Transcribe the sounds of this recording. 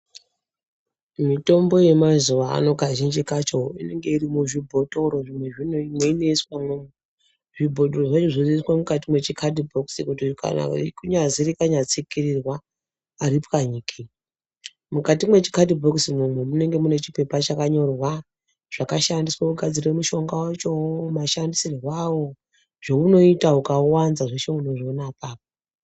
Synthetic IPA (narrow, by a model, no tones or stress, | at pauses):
mito̞mbo̞je̞mazuʋaa̰no̞ɡʱaʒind͡ʒikat͡ʃo̞ine̞ŋɡe̞irimuʐibʱo̞to̞ɾo̞ʐimwe̞ʐinoimwe̞ine̞iswamome | ʐibʱo̞toroʐat͡ʃoʐiziswamukatimwe̞t͡ʃikʰadibʱoksikutika̰na̰kuɲaziɾikaɲat͡sikirirwaː | ɾipkaɲiːkʰi | mukatimwe̞t͡ʃi̥kadibʱoksimumwemune̞ŋɡe̞mune̞t͡ʃipe̞pat͡ʃakaɲo̞rwa | ʐ̥akaʃandiswakuɡʱad͡zire̞muʃo̞ŋɡawat͡ʃo̞maʃandisirwawo̞ | ʐ̥o̞uno̞itaukauwanzaʐeʃe̞unoʐionapaːp̚o